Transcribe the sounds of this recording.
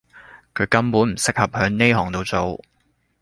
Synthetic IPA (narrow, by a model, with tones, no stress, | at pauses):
kʰɵ˨˧ɥkɐ˥mpuː˨˥nm̩˨˩sɪ˥k̚hɐ˨p̚hœː˨˧˥ŋne˥jɦɔː˨˩ŋt̪o˨˧wt͡so˨w